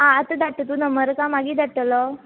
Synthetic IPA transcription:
ɦãət̪əd̪aʈ̪ːət̪unəməɾkãmaɡiːd̪aʈəlɔ

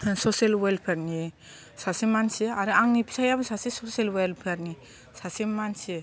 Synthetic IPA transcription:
soselwelpʰeɾni | sasimant͡ʃʰiaɾãŋnipi̥sʰajabsasisosielwelpʰeɾni | sasimant͡ʃʰi

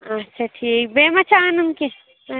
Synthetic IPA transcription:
ɐtːʃʰaʈʰiːk̚beːmɐt͡ʃʰaːnɐmke

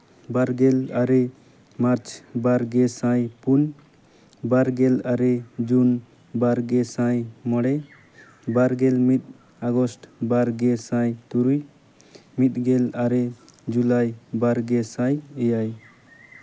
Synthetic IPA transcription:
baɾɡɛlaɾɛ | maɾt͡ʃbaɾɡɛsãjpun | baɾɡɛlaɾɛd͡ʒun | baɾɡɛsãjmɔɽɛ | baɾɡɛlmit̪̚ | aɡɔsʈbaɾɡɛsãjt̪uɾuj | mit̪̚ɡɛlaɾɛd͡ʒulajbaɾɡɛsãjɛjaj

